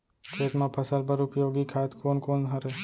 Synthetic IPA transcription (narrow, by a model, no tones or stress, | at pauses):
kʰeːʈ̪mãpʰəsəlpəɾʊpjoːɡikʰaːet̪koːnkoːnɦəɾeː